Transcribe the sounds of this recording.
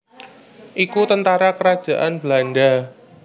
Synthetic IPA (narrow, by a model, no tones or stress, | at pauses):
ʔikut̪ənt̪aɾakəɾad̥ʒ̥a̤ʔanblaɳɖa